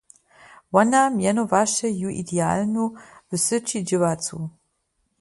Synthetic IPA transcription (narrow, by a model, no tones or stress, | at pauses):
wɐnaːmjɛnovaːʃʰɐjuʔḭdeaːlnub̥ɨsɨt͡ʃʰiːd͡ʒɨvaːt͡sʰṵː